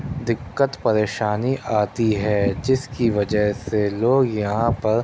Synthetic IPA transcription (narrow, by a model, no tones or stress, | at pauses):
d̪ɪkːət̪pɐɾeːʃaːniʔaːt̪iɦɛːd͡ʒɪskiʋɐd͡ʒəɦseloːɡjɐɦãpɐɾ